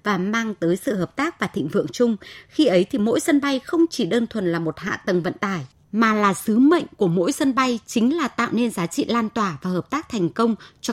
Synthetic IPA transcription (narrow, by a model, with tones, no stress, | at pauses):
vaː˨˩maː˧ŋt̪əː˨˦jsɨ̰˧˨ɦəː˨˩p̚t̪aː˦˥k̚vaː˨˩t̪ʰḭ˧˨ŋ̟vɨ̰˧˨əŋt͡ɕʊ˧ŋ͡mxi˧ʔə˨˦jt̪ʰi˨˩mo̰˧˥jsə˧nɓa˧jxə˧wŋ͡mt͡ɕi˧˩ɗəː˧nt̪ʰwə˨˩nlaː˨˩mo˨˩t̚ha̰ː˧˨t̪ə˨˩nvə̰˧˨nt̪aː˧˩j | maː˨˩laː˨˩sɨ˨˦mə̰˧˨jŋ̟ku˧˩əmo̰˧˥jsə˧nɓa˧jt͡ɕï˨˦ŋ̟laː˨˩t̪a̰ː˧˨wne˧nzaː˨˦t͡ɕḭ˧˨laː˧nt̪waː˨˩vaː˨˩həː˨˩p̚t̪aː˦˥k̚t̪ʰɛ˨˩jŋ̟kə˧wŋ͡mt͡ɕɔ˧